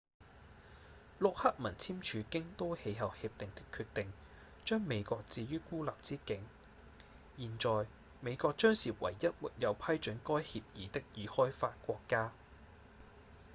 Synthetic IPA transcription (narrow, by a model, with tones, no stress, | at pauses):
lʊ˨k̚hɐ˥k̚mɐ˨˩nt͡sʰiː˥mt͡ʃʰyː˨˧kɪ˥ŋt̪o˥whe˨˧jɦɐ˨whiː˧p̚t̪ɪ˨ŋt̪ɪ˥kʰːyː˧t̪ɪ˨ŋ | t͡ʃœː˥ŋme˨˧jkɔː˧k̚t͡siː˧jyː˥kuː˥laː˨p̚t͡siː˥kɪ˨˥ŋ | jiː˨˩nt͡ʃɔː˨˩j | me˨˧jkɔː˧k̚t͡ʃœː˥ŋsiː˨˩wɐ̰˨˩jːɐ˥t̚mṵ˨t̚jɐ˨˧wpʰɐ˥jt͡ʃɵ˨˥nkɔː˥jhiː˧p̚jiː˨˥t̪ɪ˥k̚jiː˨˧hɔː˥jfaː˧t̚kʷɔː˧kːaː˥